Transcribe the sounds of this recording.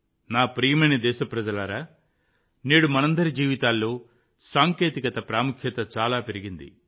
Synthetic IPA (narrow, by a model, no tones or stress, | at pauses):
naːpɾijɐmɐnɐd̪ɛːʃɐpɾɐd͡ʒɐlaːɾaː | neːɽumɐnɐnd̪ɐɾid͡ʒiːʋit̪aːlːo̞ː | saːŋkeːt̪ikɐt̪ɐpɾaːmukʰjɐt̪ɐt͡ʃaːlaːpe̞ɾiɡind̪ḭ